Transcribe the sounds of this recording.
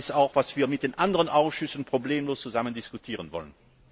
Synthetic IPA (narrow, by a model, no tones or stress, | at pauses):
ɪsaʊxv̥asv̥iːɐmɪt̚d̥eːnʔandəʁənʔaʊsʃʏsn̩pʁ̥obleːmloːst͡suzaməndiskutʰiːʁənvɔ̰lən